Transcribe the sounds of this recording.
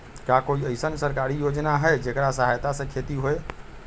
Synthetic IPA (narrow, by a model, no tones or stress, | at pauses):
kakoiəɪsənsəɾkaɾijod͡ʒnaɦəed͡ʒekɾasəɦajt̪asə̃kʰet̪iɦoe